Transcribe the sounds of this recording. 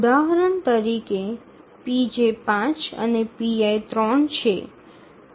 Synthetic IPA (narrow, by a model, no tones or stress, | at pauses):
ʊd̪aɦəɾəɳt̪əɾike | pid͡ʒepãt͡ʃə̰nepiajt̪ɾɔɳt͡ʃʰḛ